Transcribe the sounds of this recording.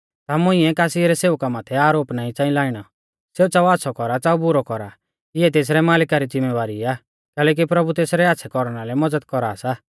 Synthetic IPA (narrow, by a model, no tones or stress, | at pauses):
t̪amʊ̃ĩɛkaːsiɾɛseːʊkamaːt̪ʰɛaːɾoːpnaːĩt͡sãːĩlaːɪɽ̃ɔ | seːut͡saːuaːt̪sʰɔkɔɾat͡saːubʊɾɔkɔɾa | ɪɛt̪eːs̬ɾɛmaːlɪkaɾid͡zɪmːɛʋaːɾiaː | kɛːlɛːk̬ipɾɐbut̪eːsɾɛaːtːsʰɛkɔɾɽ̃alɛmɐd͡zəd̪kɔɾaːsaː